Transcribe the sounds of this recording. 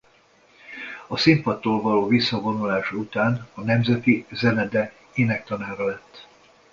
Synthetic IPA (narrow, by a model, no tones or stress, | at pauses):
ɒsimpɒt̪ːoːlvɒloːvisːɒvo̞nulaːʃut̪aːnɒnɛmzɛt̪izɛnɛd̪ɛ | eːnɛk̚t̪ɒnaːɾɒlɛt̪ː